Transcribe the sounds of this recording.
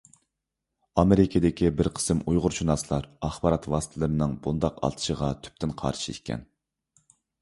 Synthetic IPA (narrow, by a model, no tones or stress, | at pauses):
ɑmeɾɪkʲʰɪd̪ɪkʲʰibɪɾqʰə̥sɨmujʁʊɾt͡ʃʰunɑslˠɑɾɑχbɑɾɑt̪wɑsɨ̥t̪ʰɨlˠɨɾɨnɨŋbund̪ɑqɑ̰lˠt̪ʰɨ̥ʃəʁɑt̪ʰy̥p̚t̪ʰɪnqʰɑ̰ɾʃiḭkʲʰːɛ̰n